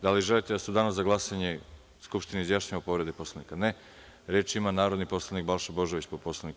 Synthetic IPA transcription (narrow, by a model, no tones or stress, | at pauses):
d̪aliʒelit̪ed̪ased̪anaszaɡlˠasaɲe | skupʃt̪ineizjaʃɲaʋapo̞ʋɾe̞d̪epo̞slanikane | ɾet͡ʃimanaːɾod̪nipo̞slˠanik̚balʃabo̞ʒo̞ʋit͡ɕpopo̞slˠanik